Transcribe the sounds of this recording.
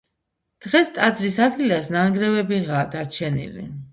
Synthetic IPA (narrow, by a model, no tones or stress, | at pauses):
d̪̥ʁɛst̪ʼad̪zɾisad̪ɡilasnanɡɾɛvɛbiʁaːd̪aɾt͡ʃʰɛnḭlḭ